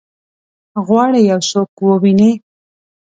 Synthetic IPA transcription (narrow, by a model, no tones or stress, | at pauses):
ɣwɑɽejawsokwəwine